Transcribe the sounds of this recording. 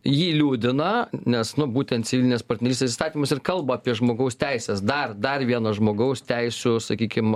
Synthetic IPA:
jiːlʲuːd̪ʲɪnɐnʲɛsnʊbuːt̪ʲɛnt̪sʲɪʋʲɪlʲɪnʲeːspɐrʲt̪ʲnʲɛɾʲiːsʲt̪ʲes̬ist̪ɑːt̪ʲimɐsɪrkɐlˠbɐːpʲiɛʒmoːɡɐʊst̪ʲɛɪsʲeːsd̪ɐrd̪ɐrʋʲiɛnɐʒmoːɡɐʊst̪ʲɛɪsʲʊsɐkʲiːkʲɪm

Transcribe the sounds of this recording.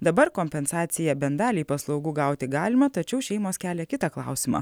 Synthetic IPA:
d̪ɐbɐɾkoːmʲpʲɛnsɑːt̪sʲɪjɛbʲɛnd̪ɑːlʲiːpɐslˠɒʊɡuːɡɑˑʊt̪ʲɪɡɑːlʲɪmɐt̪ɐt͡ʃʲɛʊʃʲɛɪmoːskʲæːlʲɛkʲɪt̪ɑklˠɑ̰ˑʊsʲɪmɑ̰ː

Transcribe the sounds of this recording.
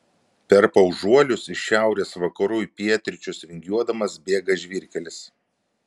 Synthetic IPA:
pʲɛɾpɐʊʒuɔlʲʊsɪʃʃʲæˑʊɾʲeːsʋɐkɐɾujpʲiɛt̪ʲɾʲɪt͡ʃʲʊsɾʲɪŋʲɡʲjuɔd̪ɐmɐsbʲeːɡɐʒʲʋʲɪɾʲkʲɛlʲɪs

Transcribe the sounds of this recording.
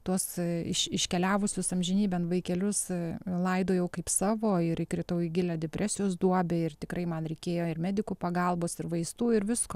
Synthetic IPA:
t̪uɔsɪʃɪʃʲkʲɛlʲæːʋʊsʲʊsɐmʲʒʲɪnʲiːbʲɛnʋɐɪkʲɛlʲʊslˠɐɪd̪oːjɛʊkɐɪpsɑːʋoːɪɾɪkɾʲɪt̪ɐʊɪɡʲɪlʲɛd̪ʲɛpʲɾʲæːsʲɪjoːsd̪uɔbʲɛɪrt̪ʲɪkɾɐɪmɐnɾʲɛɪkʲeːjoːɪrmʲæːd̪ʲɪkupɐɡɐlˠboːsɪrʋɐɪst̪uːɪɾʋʲɪskoː

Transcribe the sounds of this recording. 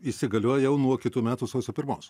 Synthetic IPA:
iːsʲɪɡɐlʲuɔjjɛʊnuɔkʲɪt̪uːmʲæːt̪uːsɐʊsʲopʲɪɾmoːs

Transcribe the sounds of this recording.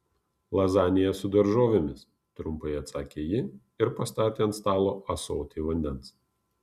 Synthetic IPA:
lˠɐzɑːnʲɪjɛsʊd̪ɐɾʒoːʋʲemʲɪs | t̪ɾʊmpɐɪɐt̪sɑːkʲeːjɪ | ɪɾpɐst̪ɑːt̪ʲeːɐnt̪st̪ɑːlˠoːʔɐsoːt̪ʲiːʋɐnʲd̪ʲɛns

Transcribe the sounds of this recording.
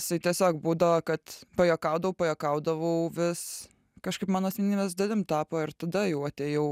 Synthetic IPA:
ɪsɐɪt̪ʲiɛsʲoːkbuːd̪ɐʋɐkɐt̪pɐjoːkɐʊd̪ɐʋɐʊpɐjoːkɐʊd̪ɐʋɐʊʋʲɪs | kɐʃkɐɪpmɑːnoːsʲɛnʲnʲimʲɛːsd̪ɐd̪ʲɪmt̪ɑːpoːɪɾt̪ɐd̪ɐjɛʊɐt̪ʲeːjɛʊ

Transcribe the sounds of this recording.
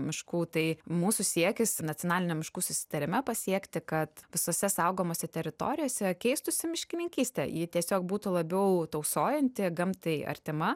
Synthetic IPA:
mʲɪʃkuːt̪ɐɪmuːsʊsʲiɛkʲɪsnɐtt͡sʲɪoɔnɑːlʲɪnʲɛmʲɪʃkuːsʊsʲɪ̥t̪ɐɾʲɪmʲɛpɐsʲiɛkt̪ʲɪkɐt̪ʋʲɪsoːsʲɛsɐʊɡoːmoːsʲɛt̪ʲɛɾʲɪt̪o̰ːɾʲɪjoːsʲɛkʲɛɪst̪ʊsʲɪmʲɪʃʲkʲɪnʲɪŋʲkʲiːsʲt̪ʲɛ̰jiːt̪ʲiɛsʲoːk̚buːt̪ʊlˠɐbʲɛʊt̪ɐʊsoːjɛnʲt̪ʲɪɡɐmt̪ɐɪɐ̰rʲt̪ʲɪmɐ

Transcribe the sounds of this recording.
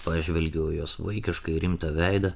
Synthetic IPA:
pɑːʒʲʋʲɛlʲɡʲɛːjoːsʋɐɪkʲɪʃkɐɪɾʲɪmt̪ɐʋʲæɪd̪ɐ

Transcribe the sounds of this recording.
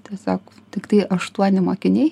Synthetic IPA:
t̪ʲɛsɑːkot̪ʲɪkt̪ɐɪʔɐʃt̪uɔnʲɪmoːkʲɪnʲeɪ

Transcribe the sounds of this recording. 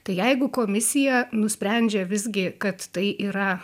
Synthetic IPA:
t̪ɐɪjɛɪɡʊkoːmʲɪsʲɪjɛnʊsʲpʲɾʲænʲd͡ʒʲɛʋʲɪzʲɡʲɪkɐt̪t̪ɐɪʔiːɾɐ

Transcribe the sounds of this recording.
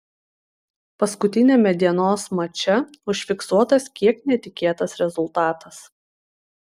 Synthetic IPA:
pɐskʊt̪ʲɪnʲeːmʲɛd̪ʲiɛnoːsmɐt͡ʃʲɛ | ʊʃʲfʲɪksuɔt̪ɐskʲiɛknʲɛt̪ʲɪkʲeːt̪ɐsɾʲɛzʊlˠt̪ɑːt̪ɐs

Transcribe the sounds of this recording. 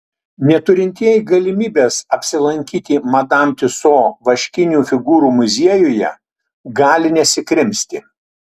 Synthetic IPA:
nʲɛt̪ʊɾʲɪnʲt̪ʲiɛjɪɡɐlʲɪmʲiːbʲeːsɐpʲsʲɪlˠɐŋʲkʲiːt̪ʲimɐd̪ɑˑmʲt̪ʲɪsoːʋɐʃʲkʲɪnʲuːfʲɪɡuːɾuːmʊzʲiɛjʊjɛ̰ | ɡɑːlʲɪnʲɛsʲɪkɾʲɪmʲsʲt̪ʲɪ

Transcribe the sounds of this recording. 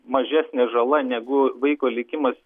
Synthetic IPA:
mɐʒʲæːsʲnʲeːʒɐlˠɐnʲɛɡʊʋɐɪkoːlʲɪkʲɪmɐsʲ

